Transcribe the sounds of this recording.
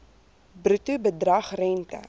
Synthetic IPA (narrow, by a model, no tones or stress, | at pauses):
brutubədrɐχrɛntə̰